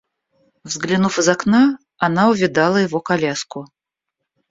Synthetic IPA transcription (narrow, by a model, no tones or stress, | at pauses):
vzɡlʲɪnufɨzɐkna | ɐnaʊvʲɪd̪alˠəjɪvokɐlʲaskʊ